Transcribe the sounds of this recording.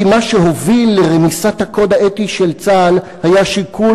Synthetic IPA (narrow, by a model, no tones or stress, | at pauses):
maʃeɦo̞vilːeʁemisat̪hako̞d̪haʔet̪iʃelt͡sal | hajaʃikʰu